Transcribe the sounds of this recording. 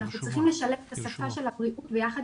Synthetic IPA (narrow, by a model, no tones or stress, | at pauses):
naχnut͡sʁiχimleʃalefet̪asafaʃe̞lhabʁiʔutbejaχad̪